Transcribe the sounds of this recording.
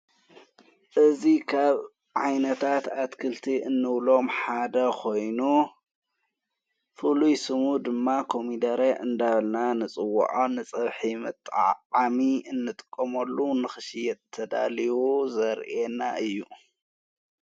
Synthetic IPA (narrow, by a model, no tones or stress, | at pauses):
ʔɨzikʰaβ | ʕajnɐt̪ʰat̪at̪kʰɨlt̪ʰiɨnːɨβlo̞mħad̪ɐkʰo̞jnu | fɨlujsɨmud̪ɨmːakʰo̞mid̪ɐɾeʔɨnd̪aβɐlnanɨt͡sʼɨwːɐ̰ʕonɨt͡sʼɐβħimɨt̪ʼːʕamiɨnːɨt̪ʼɨ̥kʼːɐmɐlːunɨxɨʃijɛt̪ʰːɐd̪a̰liwuzɐɾʔenaʔɨjːu